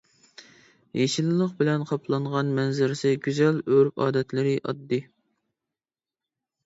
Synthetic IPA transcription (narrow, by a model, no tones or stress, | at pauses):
heʃilɨlˠəqbɪlɛnqʰɑpʰlˠɑɴʁɑnmɛnzɪɾɪsɪɡʲyzɛløɾpɑ̰ːd̪ɛt̪lɪɾɪʔɑ̰d̪ːɨ